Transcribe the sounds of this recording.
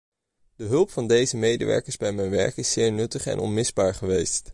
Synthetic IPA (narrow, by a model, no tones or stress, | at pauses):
d̥əɦɵlˠpfɑndejzəmejdə̰ʋɛ̰ɹkəɹzbɛjmɛjnʋɛ̰ɹkɪsɪːɹnɵtəχɛ̰nʔɔ̰nmɪzbaːɹχəʋejst